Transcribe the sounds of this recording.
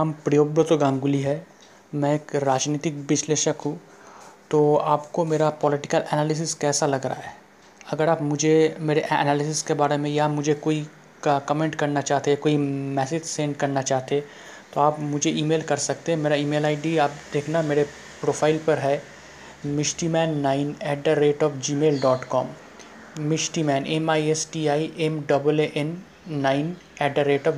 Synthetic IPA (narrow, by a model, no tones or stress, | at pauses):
ɐmpɾɐjoːbət̪oɡãːŋɡʊliɦɛː | mɛ̃eːkɾaːd͡ʒniːt̪ɪk̚ʋɪʃleːʃəkɦũ | t̪oːaːpkomeːɾapɔːlɪʈɪkəlɛːnaːlɪs̬ɪskɛːsalɐɡɾa̰aɦɛː | ɐɡəɾaːpmʊd͡ʒʱemeːɾeʔɛ̰naːlɪs̬ɪskebaːɾemẽjamʊd͡ʒʱekoːi | kɐmẽːɳʈkɐɾnat͡ʃaːɦt̪ekoːimɛːseːd͡ʒsẽːɳɖkɐɾnat͡ʃaːɦt̪e | t̪oaːpmʊd͡ʒʱeiːmeːlkɐɾsɐk̚t̪eɦɛ̃meːɾaiːmeːlaːiɖiaːpd̪eːkʰnameːɾe | pɾoːfʰaːɪlpɐɾɦɛː | mɪʃʈimɛ̃ːnːaːɪnɛːʈ̚ɖəɾeːʈɔːfd͡ʒiːmeːlɖɔːʈkɔːm | mɪʃʈimɛ̃ːnɛmaːiesʈiaːiʔɛmɖɐbəleʔɛnː | aːɪn | ɛːʈ̚ɖəɾeːʈɔː